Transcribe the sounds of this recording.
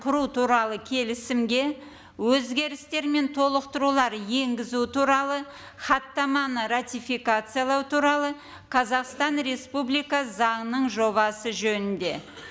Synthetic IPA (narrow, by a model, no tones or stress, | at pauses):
qʰʊɾut̪ʰuɾɑlˠəkʲʰe̞lɪsɪmɡʲe̞ | wɵzɡʲe̞ɾɪst̪e̞ɾme̞nt̪ʰo̞lˠəqt̪əɾulˠɑɾje̞ŋɡʲɪzut̪ʰuɾɑlˠə | χɑt̪ːɑmɑnəɾat̪ʲijfijkat̪sɨjalˠɑwt̪ʰuɾɑlˠə | qʰɑzɑqst̪ɑnɾe̞spublijkɑzɑŋənəɴʒo̞βɑsəʒɵnɪnd̪e̞